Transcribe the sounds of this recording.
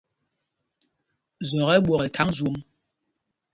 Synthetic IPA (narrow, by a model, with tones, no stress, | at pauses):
zɔ˨ɣɛ˦ɓwɔ˨ɣe˨kʰa˦ŋzwo˦ŋ